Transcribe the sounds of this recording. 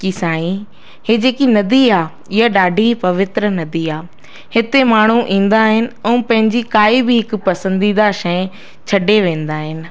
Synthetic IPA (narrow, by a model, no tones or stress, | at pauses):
kisaːĩ | heːd͡ʑeːkinɐd̪iaː | ɪɦaɗaːɖʱipɐʋɪt̪ɾənɐd̪iaː | hɪt̪emaːɳ̤uʔĩːn̆d̪aːɦɪnɪ̆ɛ̃ːpɐ̃ɦɪ̃ɲd͡ʑikaːibɪɦɪkʊ̆pɐsə̃nd̪id̪aʃɐ̃ɛ̃ | t͡ɕʰɐɖeʋẽːnd̪aːɦɪnɪ̆